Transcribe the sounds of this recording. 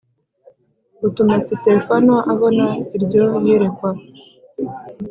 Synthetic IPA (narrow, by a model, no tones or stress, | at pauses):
utumasite̞fanoʔaβo̞naiɾɟo̞jiɾekwa